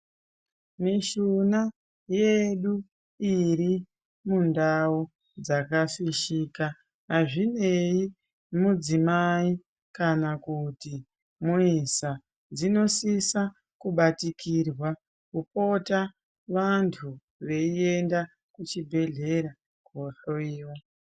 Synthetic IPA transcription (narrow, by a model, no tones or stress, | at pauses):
miʃuna | je̞ɗu | iɾi | mundau | d͡zakafiʃika | ɦaʐine̞i | mud͡zimai | kanakuti | muisa | d͡zino̞sisa | kuɓatikirwa | kupo̞ta | ʋantʰu | ʋe̞ie̞nda | kut͡ʃibʱe̞ɮe̞ɾa | koɬo̞iːwo